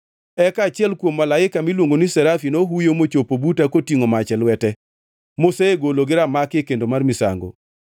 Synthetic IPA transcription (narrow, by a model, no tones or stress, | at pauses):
ɛkat͡ʃɪɛlkwomːalaɪkamilwoŋɡonisɛɾafinoɦujomot͡ʃopobutakotiŋomat͡ʃɛlwɛtɛ | moseeɡoloɡɪɾamakɪkendomarmɪsa̰ŋɡo̰